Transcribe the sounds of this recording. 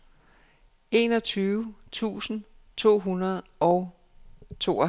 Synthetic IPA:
e̝ːnɒt͡sʰyːʊt͡sʰṵːsn̩ | t͡sʰo̝̰ːɦunɐð̞ˠɒʊ | t͡sʰo̝̰ː

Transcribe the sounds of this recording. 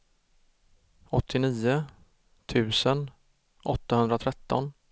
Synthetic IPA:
ɔt̪ʰːɪniːʊ | t̪ʰʉ̟ːsən | ʔɔt̪ːahɵnd̪ɾat̪ʰɾɛt̪ːɔn

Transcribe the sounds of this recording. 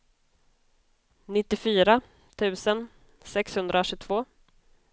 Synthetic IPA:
nɪt̪ːɪfyːɾa | t̪ʰʉ̟ːsən | sɛkshɵnd̪ɾaʂɵt̪ʰvoː

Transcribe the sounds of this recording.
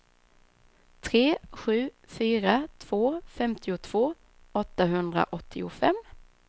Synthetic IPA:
t̪ʰɾeːɧʉ̟ː | fyːɾat̪ʰv̥oːfɛmt̪ʰɪʊt̪ʰv̥oː | ɔt̪ːaɦɵnd̪ɾa̰ʔɔt̪ʰːɪʊfɛ̰mː

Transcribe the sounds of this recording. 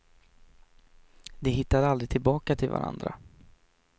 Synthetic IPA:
d̪ɛɦɪt̪ːad̪ald̪ɾɪɡ̚t̪ʰɪlbɑːkat̪ʰɪlva̰ɾa̰nd̪ɾa̰

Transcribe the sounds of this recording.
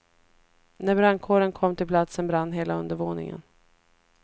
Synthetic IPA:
næbɾankʰoːɾənkʰɔmːt̪ʰɪlpʰlat̪sənbɾanːɦeːlaɵnd̪əvoːnɪ̰ŋə̰n

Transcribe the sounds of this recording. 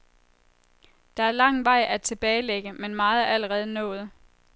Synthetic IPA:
d̥ɑ̈æɐlɑ̈ŋ̰ʋɑ̈ɪ̰ʔæt͡sʰe̝b̥ɛːɪleɡ̥əmenmɑ̈ːð̩ˠæl̰əʁɛːð̞ˠənɔ̰̽ːð̞̩ˠ

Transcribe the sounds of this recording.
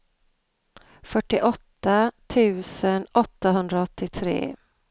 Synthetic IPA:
fœʈːɪʔɔt̪ːat̪ʰʉ̟ːsənɔt̪ːaɦɵnd̪ɾaɔt̪ːɪt̪ʰɾḛː

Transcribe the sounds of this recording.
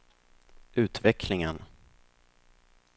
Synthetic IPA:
ʉ̟ːt̪vɛkʰlɪŋən

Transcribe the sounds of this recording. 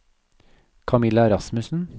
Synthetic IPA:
kʰɑmɪlɑɛɾɑsmʉsn̩

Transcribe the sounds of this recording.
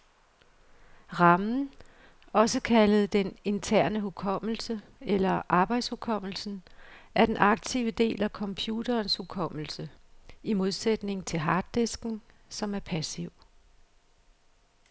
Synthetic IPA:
ʁɑ̈mn̩ | ɒ̽səkʰæləð̩ˠd̥ene̝nt͡sʰæɐ̰nəɦukʰɒ̽m̰l̩səelɐʔɑ̈ːb̥ɑ̈ɪd̥shukʰɒ̽m̰l̩sn̩æɐd̥enʔɑ̈ɡ̥̚t͡sʰiʊəd̥e̝̰ːlækʰɒ̽mpʰjuːdɐːnshukʰɒ̽m̰l̩səimo̝ð̞ˠsed̥ne̝ŋ̩t͡sʰe̝lɦɑ̈ːd̥ːe̝sɡ̥n̩ | sɒ̽mæɐpʰæsiʊ̰

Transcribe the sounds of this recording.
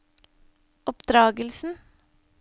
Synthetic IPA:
ɔpd̪ɾɑːɡəlsn̩

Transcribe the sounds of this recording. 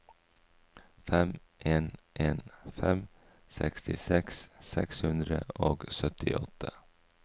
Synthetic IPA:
fɛm | ʔeːnʔeːnfɛm | sɛ̰kst̪ɪsɛkssɛkshʉnd̪ɾəoːɡsœt̪ɪʔɔt̪ʰə

